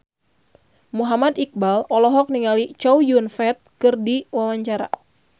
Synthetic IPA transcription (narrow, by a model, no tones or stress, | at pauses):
muɦamad̪ik̚balɔlɔɦɔk̚niŋalit͡ʃɔwjunfɛt̪̚kɨrdiwawaɲt͡ʃaɾa̰